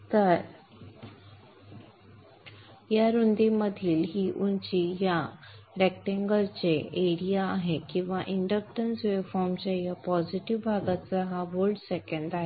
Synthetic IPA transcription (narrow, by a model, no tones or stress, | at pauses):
t̪əɾ | jaɾund̪iməd̪ʱiːlɦiːʔunt͡ɕijaɾɛk̚ʈẽŋɡəlt͡seeɾijaːɦekĩw̃ʋaʔiɳɖək̚ʈənsʋefɔɾmt͡ɕajapɔd͡ziʈiʋbʱaɡat͡saɦaʋoɾɖsekə̃ɳɖaɦe